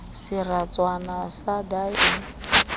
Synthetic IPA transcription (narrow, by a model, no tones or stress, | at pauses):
sɪrat͡sʼwanasadaɛ